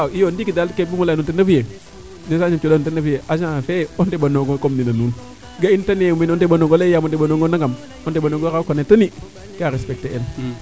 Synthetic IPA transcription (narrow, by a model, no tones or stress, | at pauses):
aijondikidalkebimulanutenafije | nesaɲimt͡ʃodanutenafijeʔaʃãfeontebanoɡokomninanuːn | ɡaintaneminontebanoɡolejamonteanoŋɡonaŋɡam | ontebanoŋɡokakonetani | keaɾespek̚teen